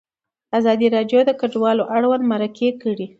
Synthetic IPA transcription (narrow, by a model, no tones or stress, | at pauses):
azɑd̪iɾɑɖjod̪əkaɖwɑloʔaɽwand̪maɾakʰekəɽi